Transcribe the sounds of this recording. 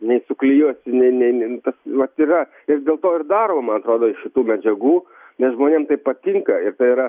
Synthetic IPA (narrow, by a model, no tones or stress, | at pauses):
nʲɛɪsʊklʲijuɔsʲɪnʲɛɪnʲɛɪt̪ɐsʋɐt̪iɾɐ | ɪrd̪ʲeːlˠt̪oːɪrd̪ɑːɾoːmɐnɐt̪ɾoːd̪oːɪʃʃʲɪt̪uːmʲɛd͡ʒʲɛɡuː | nʲɛsʒmoːnʲeːmt̪ɐɪppɐt̪ʲɪŋkɐɪɾt̪ɐɪiɾɐ